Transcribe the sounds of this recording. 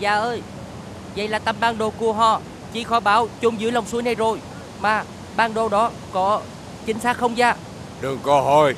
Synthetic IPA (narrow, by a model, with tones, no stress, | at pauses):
zaː˨˩ʔəː˧j | və̰˧˨jlaː˨˩t̪ə˧˩mɓaː˧ŋɗo˨˩ku˧˩əɦɔ˧˩ | t͡ɕi˧˩˦xɔ˨˦jɓaː˨˦wt͡ɕʊ˨˦ŋ͡mzɨ̰˧˥əla˨˩wŋ͡msu˨˦əjna˧jzo˨˩j | maː˨˩ | ɓaː˧ŋɗo˨˩ɗɔ˨˦ | kɔ˨˦ | t͡ɕï˨˦ŋ̟saː˦˥k̚xə˧wŋ͡mzaː˧˩ | ɗɨ˨˩əŋkɔ˨˦ɦo˧˩j